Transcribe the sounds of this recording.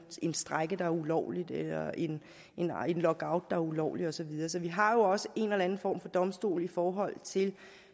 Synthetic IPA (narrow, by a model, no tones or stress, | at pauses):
e̝nsd̥ʁaɡ̥əd̥ɑ̈æɐulɒ̰ʊlid̥elɐe̝n | e̝ne̝nlɒ̽ɡ̥ɑ̈ʊd̥ːɑ̈æɐulɒ̰ʊ̰liɒ̽sɒ̽ʋið̞ˠɐːs̬ɒ̽ʋiɦɑ̈jo̝ɒ̽səʔe̝neelæn̩fɒ̰ːmfɒ̽d̥ɒ̽msd̥o̝̰ːlifɒːɦɒ̽l̰t͡sʰe̝l